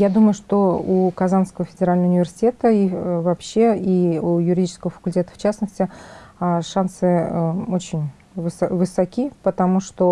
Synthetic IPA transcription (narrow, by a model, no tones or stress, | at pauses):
jad̪uməjʊʂt̪o̞ukɐzanskəvəfʲɪdʲɪɾalʲnəʊnʲɪvʲɪrsʲɪ̥tʲe̞t̪əivɐpɕːe̞iujʊɾʲɪdʲit͡ɕɪ̥skəvəfə̥kʊlʲtʲe̞t̪ə̥ft͡ɕasnəsʲtʲɪaʂansɨot͡ɕɪnʲ | vɨsvɨsɐkʲipət̪ɐmuʂt̪o